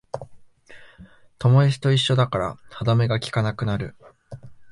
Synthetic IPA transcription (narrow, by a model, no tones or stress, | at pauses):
t̪o̞mo̞isi̥t̪o̞iɕːo̞d̪akaɾa̰had̪ame̞ɡakʲi̥kanakɯ̟naɾɯ̟